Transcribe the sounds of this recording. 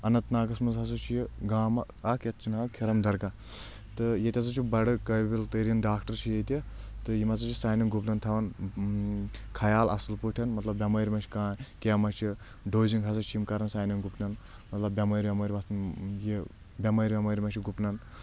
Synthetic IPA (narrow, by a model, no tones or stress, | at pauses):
ɐnɐt̪naːɡɐsmɐnzɦɐs̬ɐt͡ʃʰijiɡaːmɐ | ɐkjɐt̪̚t͡ʃʰinaːkʲʰiɾɐmd̪ɐɾɡɐ | t̪ɨjet̪ʲɐs̬ɐt͡ʃʰibɐɽɨkɐjbilt̪ɨɾʲinɖaːkʈɐɾt͡ʃʰijet̪ʲit̪ɨjimɐzɐt͡ʃʰisaːjnɐnɡupnɐnt̪ʰɐʋɐn | kʰɐjaːlɐ̰sɨlpuʈʰɐnmɐt̪lɐbːʲɐmɐːɾʲmɐt͡ʃʰi̥kãːkʲeːmɐt͡ʃʰi | ɖoːziŋɡɦɐs̬ɐt͡ʃʰjimkɐɾɐnsaːnɐŋɡupnɐn | mɐt̪lɐbːʲɐmɐɾʲbʲɐmɐːɾʲmɐt̪ʰnji | bʲɐmɐːɾʲbʲɐmɐɾʲmɐt͡ʃʰiɡupnɐn